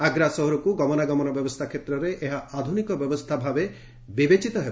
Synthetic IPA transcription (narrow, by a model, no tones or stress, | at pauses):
aɡɾasɔɦɔɾɔkuɡɔmɔnaɡɔmɔnɔbjɔbɔst̪ʰakʰet̪ɾɔɾeʔeɦaad̪ʱunikɔbjɔbɔst̪ʰabʱabe | bibet͡ʃit̪ɔɦeb